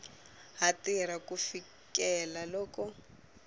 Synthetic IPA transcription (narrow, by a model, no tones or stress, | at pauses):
ɦatiɾakufi | kɛlalɔːkɔ